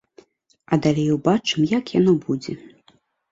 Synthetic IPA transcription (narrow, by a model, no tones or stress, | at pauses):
ɐd̪alʲejwbat͡ʂɨmjakjanɔbud͡zʲɛ